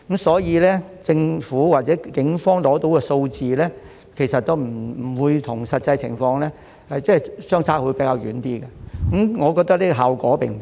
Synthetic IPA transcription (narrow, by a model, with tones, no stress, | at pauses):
kmsɔː˨˥jiː˨˧lɛː˥t͡sɪ˧ŋfuː˨˥waː˨t̚t͡sɛː˨˥kɪ˨˥ŋfɔː˥ŋlɔː˨˥t̪o˨˥wkɛː˧so˧wt͡siː˨˧lɛː˥ | kʰe˨˩jsɐ˨t̚t̪o˥wm̩˨˩˨wuː˨˧jt̪ʰʊ˨˩ŋsɐ˨t̚t͡sɐ˧jt͡sʰɪ̰˨˩ŋfɔː˧ŋlɛː˥ | hɐ˨jt͡sɛː˥˨˩sœː˥ŋt͡sʰaː˥k̚wuː˨˧jpe˨˥jkaː˧wjyː˨˥nt̪iː˥ɡɐ˧kmŋɔː˨˧kɔː˧k̚t̪ɐ˥k̚liː˥ɡɔ˧ɦaː˨wkɔː˨˥pḛ˨˩˨